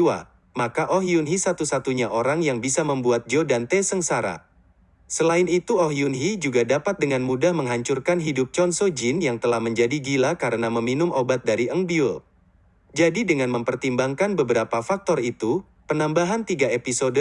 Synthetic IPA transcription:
wa̰ | makaʔoɦiunɦisat̪usat̪uɲaʔoɾaŋjaŋbisaməmbuat̪̚d͡ʒodant̪esəŋsaɾa̰ | səlaɪnit̪uoɦiunɦid͡ʒuɡadapat̪̚dəŋanmudahməŋɦaɲt͡ʃurkanɦidʊp̚t͡ʃɔnsod͡ʒɪnjaŋt̪əlahməɲd͡ʒadiɡilakaɾənaməminʊmʔobat̪̚daɾiəŋbiol | d͡ʒadidəŋanməmpərt̪imbaŋkanbəbəɾapafak̚t̪ɔrit̪u | pənambaɦant̪iɡaepisod

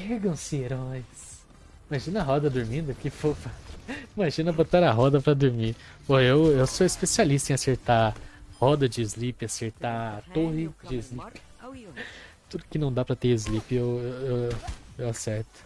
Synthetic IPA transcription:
pɛɾɡɐ̃w̃sɪeɾɔjs | ĩmaʒĩnɐɦɔd̪ɐd̪ʊɾmĩnd̪ʊkɪfofɐĩmaʒĩnɐbot̪aɾɐɦɔd̪ɐpɾɐd̪uɾmipoewewsoispesialist̪ɐẽaseɾt̪ahɔd̪ɐd͡ʒɪːzlipɪaseɾt̪at̪ohɪd͡ʒɪːzlipɪ̥ | t̪ud̪ʊkɪnɐ̃w̃d̪apɾɐt̪eɾɪzlipɪewewewewasɛɾt̪ʊ̥

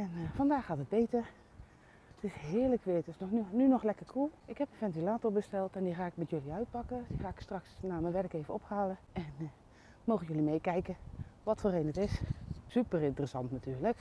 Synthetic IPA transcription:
ɛnfɑndaːxaːtəd̚bejtəɹ | ətɪsɦɪːɹləkʋɪətdɪsnɔnynɔxlɛkərkʰulˠɪkhɛpənfɛntilaːtoɹbəstɛlˠtɛndiχaːɪk̚mɛtjøliœɥt̚pɑkəd̥ixaːɪkstrɑksnaːmənʋɛrkejvəɔphaːləɛn | moːɣəjølimejkɛjkəʋɔtfoːrejnətɪssypərɪntərəsɑntnatyːɹlək

